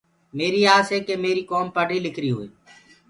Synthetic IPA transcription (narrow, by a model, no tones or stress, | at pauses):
meːɾiːaːseːkeːmeːɾiːkoːmpaɖiːlɪkʰɾiːɦoːḭː